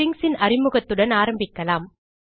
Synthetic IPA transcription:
ɪŋsɪnɐrɪmɯɣɐt̪ːɯɽɐnaːɾɐmbɪkːɐlaːm

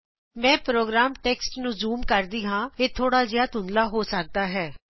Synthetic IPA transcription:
mɛ̃ːpɾoːɡɾaːmʈeːksʈnũːzuːmkəɾd̪iːɦãːeːt̪ʰoːɽaːzɪjaːt̪ʊ̃nd̪laːɦoːsək̚d̪aːɦɛː

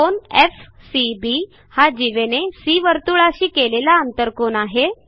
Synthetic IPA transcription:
onef | sibi | had͡ʑiʋenesiːʋəɾt̪uɭaɕiːkelelaənt̪əɾkonaɦe

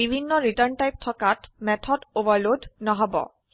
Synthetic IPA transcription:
ibʱinːɔɹitəɹntajp̚tʰɔkatmɛtʰɔdobaɹlodʱnɔɦɔbɔ̰

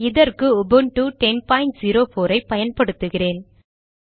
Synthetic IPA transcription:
ɪðɐrkɯɔbɯnʈuːʈɛnpaːɪɳʈ̚ziːɾoːfoːɾɐɪpːɐjɐnpɐɽɯt̪ːɯɣɪreːn

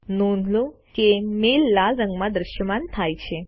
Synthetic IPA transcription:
nonʱlo | kemelːalɾəŋɡmad̪ɾəɕjəmant̪ʰajt͡ɕʰe

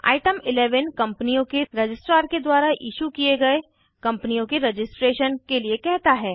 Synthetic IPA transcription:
a̰ːɪʈəmɪlɛːʋənkɐ̃mpnijõkeɾɐd͡ʒɪsʈɾaːɾked̪waːɾaʔɪ̰ːʃukieɡɐe | kɐ̃mpnijõkeɾed͡ʒɪsʈɾeːʃənkeliekɛɦt̪aɦɛː

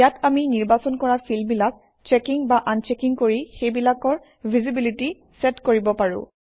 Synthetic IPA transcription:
jataminiɹbasɔnkɔɹaɹpʰilbilak̚ | t͡ʃekiŋbaʔant͡ʃekiŋkoɹixejbilakɔɹ | bʱizibiliti | sɛtkoɹibɔpaɹʊ̰̃

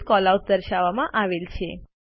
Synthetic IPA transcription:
kɔlausd̪əɾʃaʋamãʔaʋelt͡ʃʰe

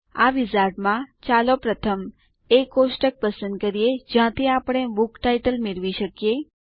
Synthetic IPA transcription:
aʋizaɾɖmãt͡ʃalopɾət̪ʰəm | ekosʈək̚pəsə̃nd̪̚kəɾijed͡ʒjãt̪ʰiapəɽ̃ebukʈaiʈəlmeɾʋiʃəkije

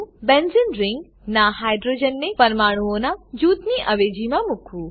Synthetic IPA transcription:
bɛ̃nzɪnɾɪŋɡ | naɦaːjɖɾoːd͡ʒənːepɐɾmaːɽ̃uonãd͡ʒuːt̪niʔɐʋeːd͡ʒimãmʊkʰuː

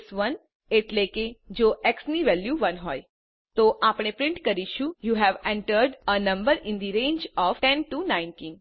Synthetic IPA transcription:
sʋən | eʈleked͡ʒoʔɛksniʋɛljuʋənɦoj | t̪oʔapɽ̃epɾɪ̃ɳʈkəɾiʃũjuɦɛʋɛ̃ɳʈəɾɖənə̃mbəɾɪ̃nd̪iɾẽːnd͡ʒɔʋʈɛ̃nʈunãɪ̃nʈiːn

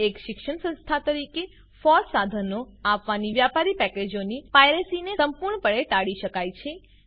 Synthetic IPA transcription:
ekʃɪkʃəɳsə̃nst̪ʰat̪əɾike | fɔɾsad̪ʱənoapʋaniʋjapaɾipɛked͡ʒonipajɾesinesəmpuɾɳəpəɭeʈaɽiʃəkajt͡ʃʰe

